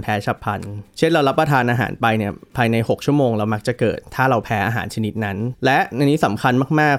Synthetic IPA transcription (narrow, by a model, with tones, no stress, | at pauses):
npʰɛː˦˥t͡ɕʰa˦˥pʰa˧nt͡ɕʰe˥˩nɾa˧wɾla˦˥pːɾa˧t̪ʰaː˧nʔaː˧ɦa̰ː˩˦npa˧jni˥˩ɐpʰaː˧jna˧jho˨˩k̚t͡ɕʰu˥˩ɐmoː˧ŋɾa˧wma˦˥k̚t͡ɕa˨˩kɤː˨˩t̪ʰːaː˥˩ɾa˧wpʰɛː˦˥ʔaː˧ɦa̰ː˩˦nt͡ɕʰa˧ni˦˥t̪̚na˦˥nlɛ˦˥ʔna˧niː˦˥sa˩˦mkʰa˧nmaː˥˩k̚maː˥˩k̚